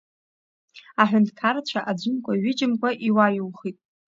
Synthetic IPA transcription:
aħʷᶣʊndkʰaɾt͡ɕʷʰaʔad͡ʒʷɨmkʷʰʼaɥɪt͡ʃʼɪmkʷʰʼaʔiwajɨlχitʼ

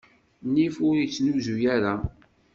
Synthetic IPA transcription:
nifʊɾit͡sːnuzujaɾa

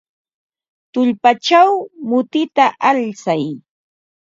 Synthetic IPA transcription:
t̪ʊʎpat͡ʃawmʊt̪ɪt̪aʔalt͡saj

